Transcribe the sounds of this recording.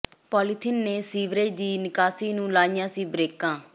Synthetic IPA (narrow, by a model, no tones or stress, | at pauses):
pɔːlɪt̪ʰɪnːeːsiːʋɾeːd͡ʒd̪iːnɪkaːsiːnũːlaːɪjãːsiːbɾeːkãː